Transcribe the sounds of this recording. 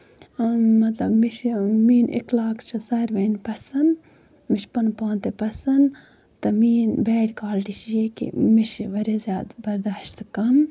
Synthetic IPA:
mɐt̪lɐbmiʃmiːnʔḭklaːkt͡ʃʰɐsɐɾʋɐnpɐsɐn | miʃpɐnpãːnt̪epɐsɐn | t̪ɐmiːnbeːɽkaːlʈiʃjeːkḭmiʃʋɐɾʲezjaːd̪bɐɾd̪aːʃt̪kɐm

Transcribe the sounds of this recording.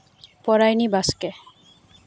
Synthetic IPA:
pɔɾajnibaske

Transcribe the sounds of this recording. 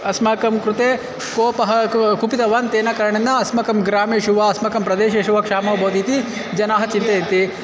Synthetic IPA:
ɐsmɐkɐmkɾut̪eː | koːpɐɦɐkupit̪ɐʋɐːnt̪eːnɐkɐɾɐɳɐnːɐɐsmɐkɐmɡɾaːmeːʃuʋɐɐsmɐkɐmpɾɐd̪eːʃɐʃuʋɐkʂaːmɐʋbʱoːd̪iːt̪i | d͡ʒɐnaːɦɐt͡ʃint̪eit̪i

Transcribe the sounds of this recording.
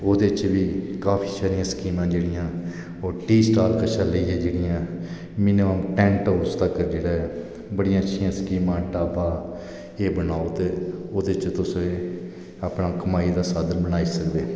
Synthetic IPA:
oːd̪eːt͡ʃʋiːkaːpʰiːsɛːɾijãːskiːmãːd͡ʒeːɽɪjãː | oːɾʈiːsʈaːɾkəʃãːleiːãːd͡ʒeːɽɪjãː | mɪneãnʈɛ̃ːɳʈaːʊst̪aːkəɾd͡ʒeːɽaːɛ | bəɽɪjãːət͡ʃʰɪjãːskiːmãːʈaːbaː | eːbənaːoːt̪eːoːd̪eːt͡ʃt̪ʊsẽː | aːpnaːkəmaːiːd̪aːsaːd̪əlbənaːiːsəkb̪eː

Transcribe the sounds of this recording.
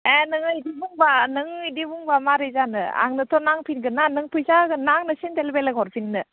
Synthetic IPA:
enɯŋɯidibuŋbanɯŋidibuŋbamaɾɯjzanɯ̰a̰ŋnɯtʰɔnaŋpʰinɡɯnanɯŋpʰujzaɡɯnaŋnɯsintelbelaɡʰɔɾpʰinnɯ

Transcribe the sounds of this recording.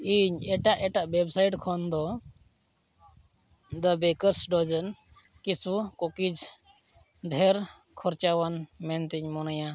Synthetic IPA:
iɲɛʈaʔɛʈaʔbɛbsajʈkʰɔnd̪ɔ | d̪əbɛkəɾsɖɔd͡ʒən | kisukɔkid͡ʒ | ɖʱɛɾ | kʰɔɾt͡ʃawanmɛnt̪ɛɲmɔnaja

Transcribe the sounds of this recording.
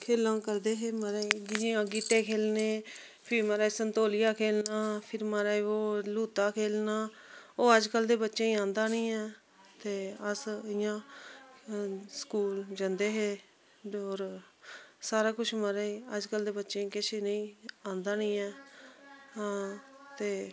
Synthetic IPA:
kʰeːlãːkəɾd̪eːɦeːməɾeɪjẽːãːɡiːʈ̪eːkʰeːlneː | pʰɪɾməɾaːesənt̪oːlɪjaːkʰeːlnaːpʰɪɾməɾaːeoːluːt̪aːkʰeːlnaː | oːəd͡ʒkəld̪eːbətːʃẽːĩːãːnd̪aːnĩːɛː | t̪eːəsɪjãː | sə̥kuːld͡ʒənd̪eːɦeː | oːɾ | saːɾaːkʊt͡ʃʰməɾeːeəd͡ʒkəld̪eːbətːʃẽːikɪʃeːnəĩːãːnd̪aːnĩːɛː | ɦãːt̪eː

